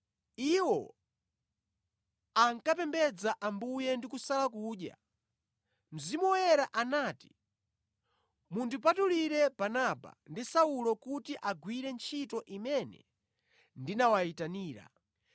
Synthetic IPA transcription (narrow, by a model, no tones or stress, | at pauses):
iwɔ | aŋkapɛmbɛd͡zaʔambujɛndikusalakuːɗja̰ | m̩zimuwɛɾaʔanaːti̥ | mundipatuliɾɛb̥anaba̰ndisaulɔkutiʔaɡwiɾɛnt͡ʃʰitɔʔimɛnɛ̰ | ndinawaitaniːɾa̰